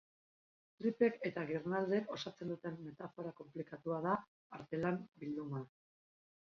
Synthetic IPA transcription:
t̪ɾipe̞ke̞t̪aɣirnald̪e̞ko̞sat͡se̞nd̪ut̪e̞mːe̞t̪afo̞ɾako̞mplikat̪uaðaː | ɾt̪e̞lambild̪uma

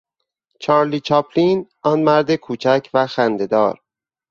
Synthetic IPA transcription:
t͡ʃʰɒːɾliːt͡ʃʰɒːpʰliːnʔɒːnmæɾd̪ekʰuːt͡ʃʰæcʰvæxænd̪e̞d̪ɒːɾ

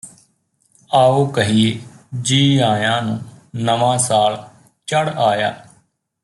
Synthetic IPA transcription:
aːoːkəɦieːd͡ʒiːãːjãːnũːnəʋãːsaːl | t͡ʃəɽaːja̰ː

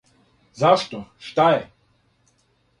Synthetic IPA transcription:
zaʃt̪ɔʃt̪ajɛ

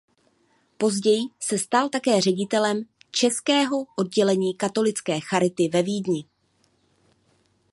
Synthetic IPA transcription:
po̞zɟɛjɪsɛst̪alt̪akɛːrɛɟɪt̪ɛlɛmt͡ʃɛskɛːɦo̞ʔo̞d̚ɟɛlɛɲiːkat̪o̞lɪt͡skɛːxaɾɪt̪ɪvɛviːdɲɪ

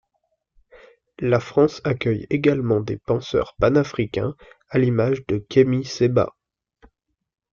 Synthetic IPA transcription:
lafχɑ̃sakʲœjeɡalmɑ̃d̪ḛpɑ̃sœ̰ʁpanafχikʲɛ̰̃alimaʒd̪əkʲʰemiseba̰

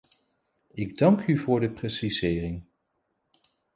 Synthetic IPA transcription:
ɪɡdɑŋkyvʊːɹdəprɛsizɪːrɪŋ

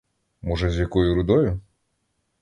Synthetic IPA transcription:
mɔʒɛzʲjɐkɔjʊɾʊd̪ɔjʊ

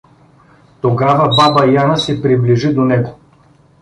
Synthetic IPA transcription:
t̪oɡavɐbabɐjanəsɛpɾibliʒid̪onɛɡo

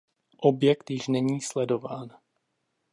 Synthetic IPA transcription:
ʔobjɛkt̪jɪʃnɛɲiːslɛdo̞vaːn

